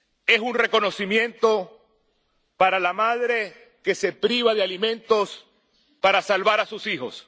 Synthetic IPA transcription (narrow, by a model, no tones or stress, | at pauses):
e̞sunre̞ko̞no̞simjẽ̞nt̪o̞ | paɾalamað̞ɾe̞ | ke̞se̞pɾiβaðealimẽ̞nt̪o̞s | paɾasalβaɾasusixo̞̰s